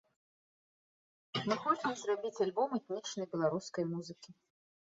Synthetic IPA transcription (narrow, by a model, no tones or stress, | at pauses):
mɨxɔt͡sɨmzrabʲit͡sʲalʲbɔmɛt̪nʲit͡ʂnɐjbʲɛlˠaɾuskɐjmuzɨkʲi